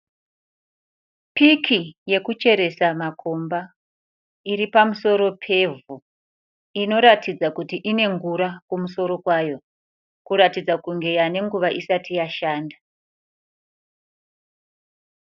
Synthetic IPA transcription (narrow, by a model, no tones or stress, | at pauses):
pikʰije̞kut͡ʃe̞ɾe̞samakʰo̞mba | iɾipamuso̞ɾo̞pʰe̞vu | ino̞ɾatid͡zakutiʔine̞ŋɡuɾakumuso̞ɾo̞kwajo̞ | kuɾatid͡zakuŋɡe̞jane̞ŋɡuʋaʔisatijaʃaːnda